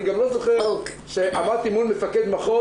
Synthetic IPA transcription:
iɡamlozoχe | ʃeʔamaʁt̪iimunmefaked̪maχo

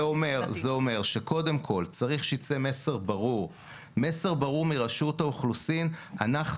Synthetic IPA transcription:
ome̞ʁzeo̞me̞ʁʃe̞kʰo̞de̞mkʰo̞lt͡saʁiχʃeit͡se̞me̞se̞ʁbaʁuʁ | me̞se̞ʁbaʁuʁmiʁaʃutauχlusinanaχ

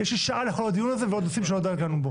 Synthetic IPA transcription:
jeʃliʃaʔaleχolad̪ijunaze̞veo̞d̪nosimʃelod̪at̪lanubo

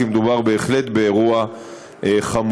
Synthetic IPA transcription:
imed̪ubaʁbe̞ːχlet̪beːʁua | ʔeχam

